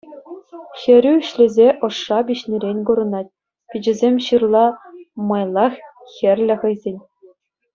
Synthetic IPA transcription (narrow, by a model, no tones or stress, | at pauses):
xʲɘ̆ɾʲyyɕlʲɘ̆zʲeʔɤ̆ʂːɑbʲiɕnʲiɾʲenʲkuɾɤ̆nɑt̪̚ʲ | pʲid͡ʑɘ̆zʲemʲɕɯrlˠɑmɑjlˠɑxxʲɘ̆rʲlʲɘ̆χɤ̆jzʲenʲ